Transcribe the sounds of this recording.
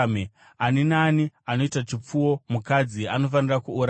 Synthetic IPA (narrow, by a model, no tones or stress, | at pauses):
me | aninaːniano̞itat͡ʃip͡fuwo̞mukad͡ziano̞fanirakuːɾ